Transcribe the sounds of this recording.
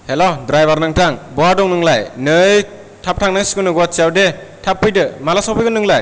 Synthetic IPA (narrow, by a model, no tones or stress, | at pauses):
helodɾajbaɾnaŋtʰaŋbɔɦadɔŋnɯŋlajnɯj | tʰap̚tʰaŋnɯskɯnɯɡat̚siawdetʰapːɯjdɯmalasɔwpʰɯjɡɯnɯŋlaj